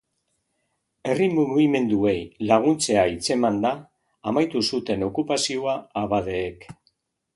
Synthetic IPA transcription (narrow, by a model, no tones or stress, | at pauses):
e̞rimuɣime̞nd̪ue̞jlaɣ̞unt͡se̞ait͡se̞mand̪aː | majt̪usut̪e̞no̞kupasioaːβað̞e̞ːk